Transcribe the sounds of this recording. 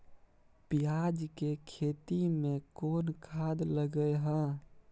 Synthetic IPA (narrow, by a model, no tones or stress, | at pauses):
pijad͡ʒkekʰet̪imẽkoːnkʰad̪ləɡəjɦə̃